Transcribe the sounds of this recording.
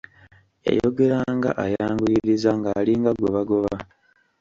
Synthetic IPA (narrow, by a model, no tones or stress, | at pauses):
ja̰jo̞ɡe̞ɾaŋɡa̰ʔajaːŋɡuliɾizaŋɡaːliŋɡaɡo̞βaɡo̞βa